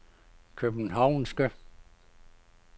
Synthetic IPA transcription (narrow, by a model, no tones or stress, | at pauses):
kʰøb̥n̩ɦɑʊ̰nsɡ̥ø